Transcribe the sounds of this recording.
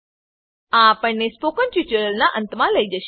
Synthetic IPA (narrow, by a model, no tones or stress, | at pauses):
ãːpəɳnːespokənʈjut͡ʃəɾəlnaʔənt̪mãləid͡ʒəʃ